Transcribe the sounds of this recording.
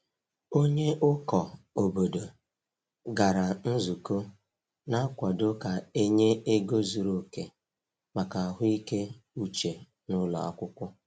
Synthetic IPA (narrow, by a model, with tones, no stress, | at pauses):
o˦ɲe˦ʔʊ˦kɔ˨o˨bo˨do˨ | ɡa˨ɾa˨n̩˦zu˨ko˦ | na˦kʷɔ˨do˦ka˨e˦ɲe˦e˦ɡo˦zu˨ɾo˨ke˨ | ma˨ka˨a˨ɦʊ˦i˦ke˦u˦t͡ʃe˨ | nʊ˦la̰˨a̰˨kʷʊ˦kʷʊ˦